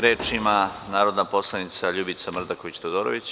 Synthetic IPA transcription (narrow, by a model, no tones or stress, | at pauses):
ɾeːt͡ʃimanaːɾod̪napo̞slˠanit̪saʎuːbit̪samr̩d̪ako̞ʋit͡ɕt̪od̪oɾoʋit͡ɕ